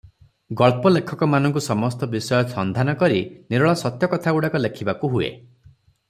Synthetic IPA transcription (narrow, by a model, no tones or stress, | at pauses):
ɡɔɭpɔlekʰɔkɔmanɔ̃ŋk̬usɔmɔst̪ɔbisɔjɔsɔnd̪ʱanɔkɔɾiniɾɔɭasɔt̪jɔkɔt̪ʰauɽakɔlekʰibakuɦuḛ